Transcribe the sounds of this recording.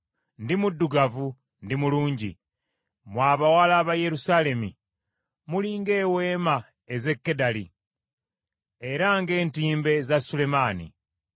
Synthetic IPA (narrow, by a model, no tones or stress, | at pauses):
ndimudːuɡavu | ndimuluːɲɟḭ | mwaːβawalaːβaje̞ɾusaːle̞mi | muliŋɡe̞ːwe̞ːma | eze̞kːe̞dalḭ | e̞ɾaŋɡe̞ːntiːmbe̞zasule̞maːnḭ